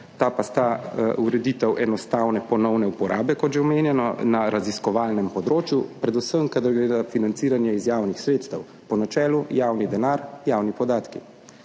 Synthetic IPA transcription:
t̪apast̪auɾɛd̪iːt̪ɛwʔɛnɔst̪awnɛpɔnɔwnɛupɔɾʔaːbɛkɔt̪ʒɛɔmeːnjɛnɔnaɾaziskɔʋaːlnɛmpɔd̪ɾoːt͡ʃjupɾɛd̪usəmkad̪aɾɡɾed̪afinant̪siːɾanjɛizjaːwnixsɾeːt̪st̪ɛw | pɔnat͡ʃɛːlujaːwnid̪ɛnaɾjaːwnipɔd̪aːt̪kḭ

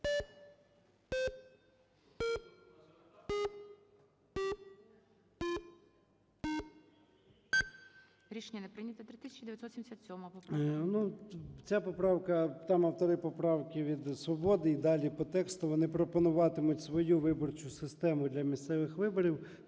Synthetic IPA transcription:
ɾʲiʃenʲːɐnepɾɪnʲɐt̪ɛt̪ɾɪt̪ɪsʲɛ̥t͡ʃid̪eʋjɐsɔt̪sʲimesʲat̪sʲɔmɔɐpɔpnut͡sʲapɔpɾɑwkɐt̪ɑmɐwt̪ɔɾɪpɔpɾɑwkʲɪʋʲid̪sʋɔbɔd̪ɪid̪ɑlʲipɔt̪ɛkst̪ʊʋɔnɪpɾɔpɔnʊʋɑt̪ɪmʊtʲsʋɔjuʋɪbɔrt͡ʃʊsɪst̪ɛmʊd̪lʲɐmʲist̪sɛʋɪxʋɪbɔɾʲiw

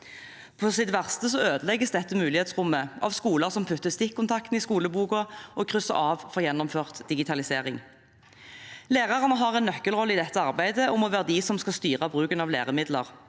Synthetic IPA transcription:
pʰɔsɪt̪ʋæʁst̪əs̬ɔøːd̪əlɛɡəsd̪ɛt̪ːəmʉːlɪheːt̪sʁʊmːəʔɑ̰ʋskuːləʁsɔmpʰʉt̪ːəst̪ɪkʰːʊnt̪ʰɑkt̪n̩ɪskuːləbuːkɔɔkʰʁʏsə̰ʁɑːʋfɔʁjɛnːʊmføːʁt̪d̪ɪɡɪt̪ʰɑlɪseːʁɪŋ | leːʁɑʁənəɦɑʁɛnːœkːəlʁɔlːəɪd̪ɛt̪ːəɑʁbæɪd̪əʊmɔʋæːʁəd̪ɪsɔmskɑst̪yːʁɑbʁʉːkənɑʋleːʁəmɪd̪lə̰ʁ

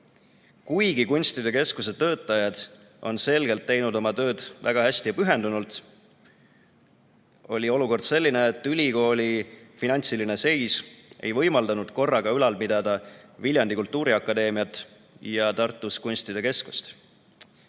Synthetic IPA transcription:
kujɡikunʲsʲt̪id̪e̞ke̞skuse̞t̪ːɤːt̪ːˑɑjɑd̪̥ | ʔo̞̰nse̞lɡe̞lt̪ːe̞jnud̪o̞mɑt̪ø̞ːd̪̥væ̰ɡ̥ɑhæsʲt̪ijɑpyɦe̞nd̪unult̪ˑ | o̞lʲio̞luko̞rd̪̥se̞lʲːine̞ːt̪ːˑylʲiko̞ːlʲifinɑnʲt̪siline̞se̞jsʔe̞jvɤjmɑld̪ɑnud̪̥ko̞rːɑɡ̥ɑylɑlpid̪̥ɑd̪̥ɑvilʲjɑnd̪ikult̪ˑːuːɾiɑkːˑɑd̪e̞ːmiɑt̪ːˑ | jɑt̪ɑrt̪ˑːuskunʲsʲt̪id̪̥e̞ke̞sku̥st̪

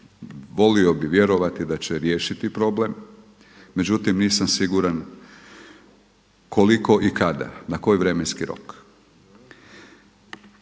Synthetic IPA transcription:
ʋo̞lio̞biʋje̞ɾo̞ʋat̪id̪at͡ɕeɾje̞ːʃit̪ipɾo̞ble̞mː | e̞d͡ʑut̪imniːsamsiɡuɾan | koliko̞ʔikad̪a̰nako̞jʋɾe̞me̞nskiɾo̞̰k

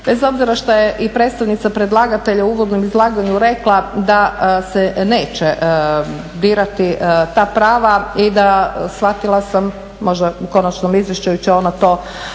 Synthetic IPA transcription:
be̞zo̞bziɾaʃt̪ojeʔipɾet̪st̪aʋnit̪sapɾe̞d̪lˠaːɡat̪e̞ʎauuːʋo̞d̪nomizlˠaːɡaɲuɾe̞klˠad̪asene̞ːt͡ɕe | d̪iːɾat̪it̪aːpɾaːʋaid̪asʋat̪ilˠasamː | o̞ʒd̪auko̞nat͡ʃnomizʋje̞ʃt͡ʃajut͡ɕɛonat̪o̞ː

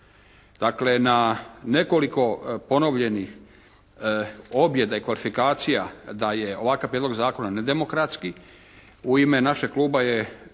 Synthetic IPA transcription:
d̪̥akle̞nane̞ko̞liko̞po̞no̞ʋʎe̞nix | o̞bje̞d̪aikʋalifikaːt̪sijad̪aje̞o̞ʋakaʋpɾed̪lo̞ɡzaːko̞naned̪e̞mo̞kɾat̪ski | uime̞naʃekluːbaje

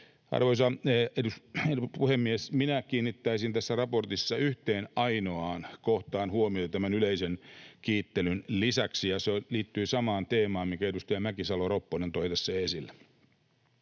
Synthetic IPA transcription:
ɑ̰rʋoisɑeduspuhemːiesminækiːnːit̪ːæisint̪æsːærɑport̪isːɑyht̪eːnʔɑinoɑːnkoht̪ɑːnhuomiot̪et̪æmænyleisenkiːt̪ːelynlisæksijɑseliːt̪ːyːsɑmɑːnt̪eːmɑːmmikæedust̪ɑjɑmækisɑloropːonent̪oit̪æsːeːesilːæ

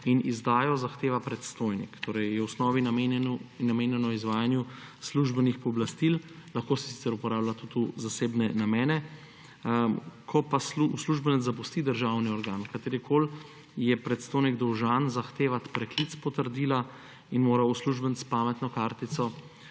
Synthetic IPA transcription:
inizd̪aːjɔzaxt̪eːʋapɾɛt̪st̪ojnḭkt̪oːɾɛjjɛwsnɔːʋinaenɛnnameːnjɛnɔizʋaːjanjusluʒbɛnixpɔblast̪illaxkoːsi̥si̥t̪sɛɾupɔɾaːblat̪ut̪uzaseːbnɛnamɛːnɛ | kʰɔpasuusluʒbənɛt̪zap̬ust̪id̪əɾʒawniɔɾɡaːnkat̪eːɾikʰoːl | jɛpɾɛt̪st̪ojniɡd̪ɔwʒaːnzaxt̪eːʋat̪pɾɛklit̪spɔt̪əɾd̪iːla | inmoːɾausluʒbənt̪spaːmɛt̪nɔkaːɾt̪it̪sɔ

